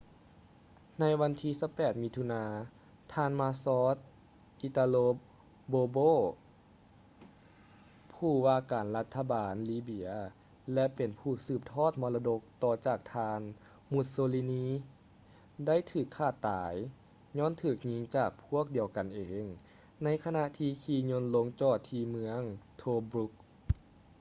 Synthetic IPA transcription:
na˧˥jʋa˧˥nt̪ʰiː˧˥˨sa˧˥˩wpɛː˨˩t̪̚mi˧t̪ʰu˧naː˧ | t̪ʰaː˧nmaː˧sɔː˧˥t̪̚ | ʔi˧t̪aː˧loː˧ | boː˧boː˧˥˩ | pʰuː˧˩waː˧kaː˨˩nla˧˥t̪ʰːa˧baː˨˩nliː˧˩bi˧˥ɐ | lɛ˧pe˨˩npʰuː˧˩sɯː˨˩p̚t̪ʰɔː˥˩t̪̚mɔː˧la˧do˧k̚t̪ɔː˧˩t͡ɕaː˨˩k̚t̪ʰaː˧n | mu˧˦t̪̚soː˧liː˧niː˧˥ | da˥˩˨jt̪ʰɯː˧˩kʰːaː˧˩t̪ːaː˨˦j | ɲɔː˧˥˨nt̪ʰɯː˧˩k̚ɲi˧˥ŋt͡ɕaː˨˩k̚pʰu˥˩ək̚di˨˩˦əwka˨nʔeː˨ŋ | na˧˥jkʰa˧na˧t̪ʰiː˧kʰiː˧˩ɲo˧˥nlo˧˥ŋt͡ɕɔː˧˩t̪ʰːiː˧mɯ˧əŋt̪ʰoː˧bɾu˧˦˥k̚

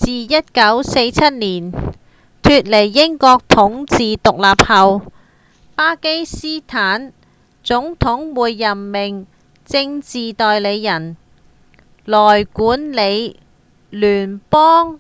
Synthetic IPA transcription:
t͡siː˨jɐ˥t̚kɐ˨˥wse˧jt͡sʰɐ˥t̚niː˨˩n | t̪ʰyː˧t̚le˨˩jːɪ˥ŋkɔː˧k̚t̪ʰʊ˨˥ŋt͡siː˨t̪ʊ˨k̚laː˨p̚hɐ˨w | paː˥ke˥jsiː˥t̪ʰaː˨˥n | t͡sʊ˨˥ŋt̪ʰʊ˨˥ŋwuː˨˧jːɐ˨˩mːɪ˨˩ŋ | t͡sɪ˧ŋt͡siː˨t̪ɔː˨jle˨˧jːɐ˨˩n | lɔː˨˩jkuː˨˥nle˨˧j | lyː˨˩npɔː˥ŋ

